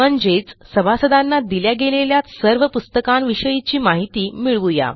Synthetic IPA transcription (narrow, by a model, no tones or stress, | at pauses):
məɲd͡ʑet͡ssəbʱasəd̪anːad̪iljaɡeleljat̪səɾʋəpust̪əkanʋiʂəjit͡ɕiːmaɦit̪iːmiɭʋuja̰